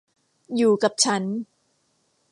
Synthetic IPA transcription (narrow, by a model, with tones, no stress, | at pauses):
juː˨˩ka˨˩p̚t͡ɕʰa˦˥n